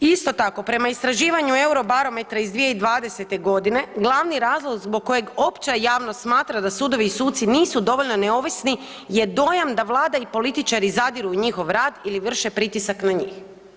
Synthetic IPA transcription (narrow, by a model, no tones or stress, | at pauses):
ist̪o̞t̪ako̞pɾe̞maist̪ɾaʒiːʋaɲue̞uɾo̞baɾo̞met̪ɾaizd̪ʋije̞id̪ʋaːd̪e̞se̞t̪e̞ɡo̞d̪ine̞ɡlˠaʋniɾaːzlˠoɡzbo̞ɡ̚kːo̞je̞ɡo̞pt͡ɕajaːʋnost̪smaːt̪ɾad̪asuːd̪o̞ʋiːsuːt̪siniːsud̪o̞ʋo̞ʎno̞ne̞o̞ʋisni | je̞d̪o̞jamd̪aʋlˠaːd̪aipo̞lit̪it͡ʃaɾizad̪iɾuɲixo̞ʋɾaːd̪iliʋr̩ʃe̞pɾit̪isaknaɲix